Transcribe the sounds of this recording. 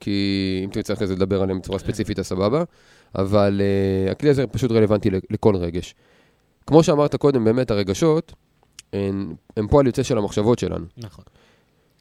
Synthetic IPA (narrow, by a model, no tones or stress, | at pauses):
kʰiimtemt͡sχkezeld̪abe̞ʁalembet͡suʁaspet͡sifitasababa | ʔa̰valea̰kliazepaʃutʁe̞le̞vantileleko̞lʁe̞ɡe̞ʃ | kmo̞ʃeamaʁt̪ako̞de̞mbe̞ːme̞taʁe̞ɡaʃo̞t | empoaljot͡seʃelamaχʃavo̞tʃe̞lʔa̰nun